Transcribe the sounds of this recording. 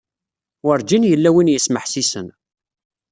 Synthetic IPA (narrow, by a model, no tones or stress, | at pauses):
wəɾd͡ʒinjəlːæwinjəsməħsisən